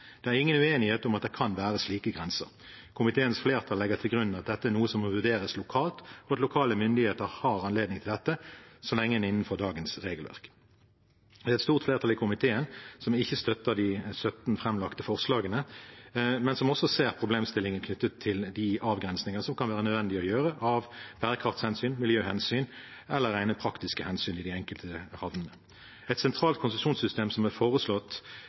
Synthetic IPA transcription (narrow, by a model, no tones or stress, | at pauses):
d̪̥ɛæʁɪŋːənʉeːnɪheːt̪ʊmɑt̪̚d̪ɛɪkʰɑnʋæːʁəsliːkəɡʁɛnsə̰ʁ | kʰʊmɪt̪ʰeːənsfleːʁt̪ʰɑlːɛɡəʁt̪ʰɪlɡʁʉnːn̩ɑt̪̚d̪ɛt̪ːəæʁnuːəsɔmɔʋʉd̪eːɾəslʊkʰɑːlt̪ɔɑt̪lʊkʰɑːləmʏnd̪ɪheːt̪əʁhɑʁɑnleːd̪nɪŋt̪ɪld̪ɛt̪ːəsɔlɛŋːəɛnɪnːən̩fɔʁd̪ɑːɡənsʁeːɡəlʋæ̰ʁk | d̪ɛːɛt̪st̪uːʁt̪fleːʁt̪ʰɑlɪkʰʊmɪt̪ʰeːənsɔmɪçːəst̪œt̪ːəʁd̪ɪsœt̪n̩fʁɛmlɑkt̪əfɔʁslɑːɡənə | mɛnsɔmɔsːɔseːʁpʰʁʊbleːmst̪ɪlːɪŋənkʰnʏt̪ːət̪ʰːɪld̪ɪʔɑːʋɡʁɛnsnɪŋənəsɔmkɑnʋæːʁənœd̪ʋɛnd̪ɪɔjøːʁəʔɑʋb̥æːʁəkʰʁɑft̪shɛnsyːnmɪljøːhɛnsyːn | ɛlːəʁæɪnəpʰʁɑkt̪ɪskəhɛnsyːnɪd̪ɪɛŋkəlt̪ʰəhɑʋnənə | ɛt̪sɛnt̪ʰʁɑːlt̪kʰʊnsʉmʃuːnsʏst̪eːmsɔmɛfoːʁəslɔt̪ː